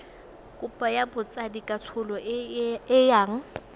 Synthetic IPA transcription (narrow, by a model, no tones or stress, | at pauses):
kʼʊpʼajabʊt͡sʼadikʼat͡sʰʊlɔʔɪjaːŋ̩